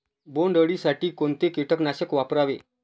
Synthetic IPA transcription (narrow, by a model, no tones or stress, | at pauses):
boɳɖəɽisaʈiːkont̪ekeʈʰəknaɕəkʋapɾaʋe